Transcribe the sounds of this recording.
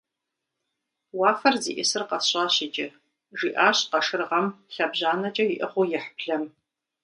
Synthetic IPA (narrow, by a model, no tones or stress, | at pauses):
wɑːfɐrzḭːʔɪsɨrqɐɕʼɑːɕɪt͡ʃʼɐ | ʒiːʔaːɕqɐʂɨrʁɐmɬɐbʑaːnɐt͡ʃʼɐjiɪʔɨχʷʊjɛħə̥pʰɬɐm